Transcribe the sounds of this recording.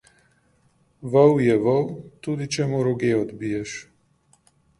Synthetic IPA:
ʋəwjɛʋəwt̪uːd̪it͡ʃɛmuɾɔɡeɔd̪bijɛʃ

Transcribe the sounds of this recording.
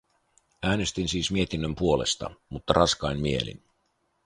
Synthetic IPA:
æːne̞st̪insiːsmie̞t̪inːømpuo̞le̞̰st̪ɑ̰mut̪ːɑɾrʔɑskɑjnmie̞̰lḭn

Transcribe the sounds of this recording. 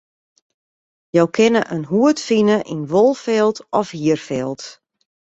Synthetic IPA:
jowkʰɪnəʔənɦuətfinəʔinʋolˠfɛlˠtɔfhiərfɛlˠt

